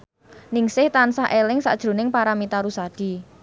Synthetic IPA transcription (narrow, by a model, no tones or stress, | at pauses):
nɪŋsɪht̪ansaʔelɪŋsa̰d̥ʒ̥ɾo̤nɪŋpaɾamit̪aɾusad̥i̤